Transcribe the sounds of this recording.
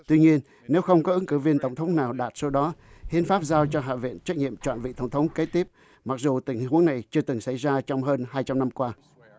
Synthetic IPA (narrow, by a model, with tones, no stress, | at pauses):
t̪wi˧ɲi˧ənː | e˨˦wxə˧wŋ͡mkɔ˨˦ʔɨ˨˦ŋkɨ˧˩vi˧ənt̪ə˧˩wŋ͡mt̪ʰə˨˦wŋ͡mnaː˨˩wɗaː˨˩t̚so˨˦ɗɔ˨˦hi˧˦ənfaː˦˥p̚zaː˧wt͡ɕɔ˧ɦa̰ː˧˨vḭ˧˨ənt͡ɕa˦˥k̚ɲḭ˧˨əmt͡ɕwa̰ː˧˨nvḭ˧˨t̪ə˧˩ŋ͡mt̪ʰə˨˦wŋ͡mke˨˦˥t̪i˦˥əp̚ | ma˨˩k̚zu˨˩t̪ï˧˩ŋ̟˨hu˨˦əŋna˨˩jt͡ɕɨ˧ət̪ɨ˨˩ŋsa˧˩jzaː˧t͡ɕɔ˧wŋ͡mɦəː˧nhaː˧jt͡ɕa˧mna˧mkwaː˧